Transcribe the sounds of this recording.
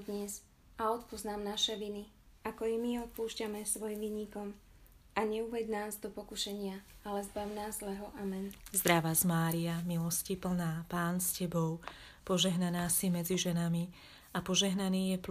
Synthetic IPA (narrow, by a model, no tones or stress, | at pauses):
d̪ɲɛz | aɔt̪puznaːmnaʃɛʋini | akɔjɛmiɔt̪̚puːʃcamɛsʋɔjimʋiːɲikɔm | ʔaɲɛuʋɛɟnaːzd̪ɔpɔkuʃɛɲɪaalɛzbawnaːzlɛɦɔʔamɛnzd̪ɾaʋazmaːɾiamilɔscipl̩naːpaːnscɛbɔʊ | pɔʒɛɦnanaːsimɛd͡ziʒɛnami | apɔʒɛɦnaniːjɛp